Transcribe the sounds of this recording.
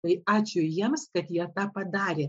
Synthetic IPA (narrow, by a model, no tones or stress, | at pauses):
t̪ɐɪɑːt͡ʃʲʊjiɛmskɐt̪jiɛt̪ɑːpɐd̪ɑːɾʲeː